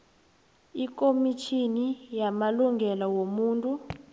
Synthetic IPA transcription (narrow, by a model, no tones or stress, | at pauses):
ik̬ʼomit͡ʃʰinijamaluŋɡʱɛlawomuːntʼu